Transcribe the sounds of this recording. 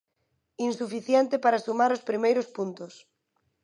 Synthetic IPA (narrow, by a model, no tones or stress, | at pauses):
insufiθjɛnt̪ɪpaɾasumaɾʊspɾimejɾʊspunt̪ʊs